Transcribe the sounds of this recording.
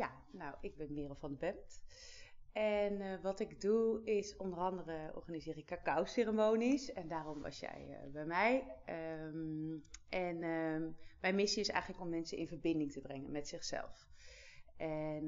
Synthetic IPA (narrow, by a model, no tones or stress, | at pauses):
ja | nawʔɪɡ̚bɛnmɪərɔfɔndəbɛmt | ʔɛnʋɑtɪɡduɪsɔndərɑndərəɔ̰rɣaːnizɪːɾɪkːakawserəmoːnisɛndaːrɔmʋɑ̰sjɛ̰jbɛjmɛjəmʔɛn | mɛjnmɪsiɪsɛ̰jɣənləkɔmːɛnsəɪ̰nvərbɪndɪŋtəbrɛŋə̰nmɛtsɪxsɛ̰lˠf | ʔɛn